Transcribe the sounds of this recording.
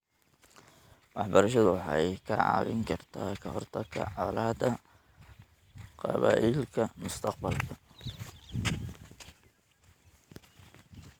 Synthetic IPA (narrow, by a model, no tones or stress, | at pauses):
wɑħbɐɾɐʃɐðʊħɑjkʰɐʕɑ̰ːβɪŋkʰɐrt̪ʰaːkʰɐhɔrt̪ʰɐkʰɐ̰ʕɑlaːd̪ɐ | qɑ̰βa̰ːʔɪlkʰɐmʊst̪ʰɑqbɐlkʰɐ